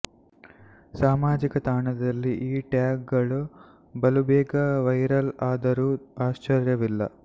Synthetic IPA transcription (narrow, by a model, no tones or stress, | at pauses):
saːmaːd͡ʒikɐt̪aːɳɐd̪ɐlːiʔiːʈjaːɡ̚ɡɐɭu | bɐlubɛːɡɐʋɐjɾɐlaːd̪ɐɾuːaːʃt͡ʃɐɾjɐʋilːɐ